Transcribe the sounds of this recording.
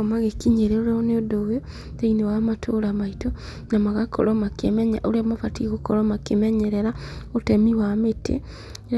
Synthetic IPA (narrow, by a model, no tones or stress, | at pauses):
maɣekiɲeɾeoɾɔneodowe | dainewamatʰoɾamaito | namaɣakʰɔ̰ɾɔmakemɛɲaʔoɾeamafatiɣokɔɾɔmakemɛɲɛɾɛɾaotɛmiwametʰḛ